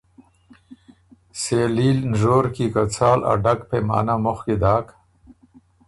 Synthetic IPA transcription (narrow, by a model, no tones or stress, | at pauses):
seliːlnʐoːɾkikat͡sʰaːlʔa̰ɖakpema̰ːnamoxkid̪aːk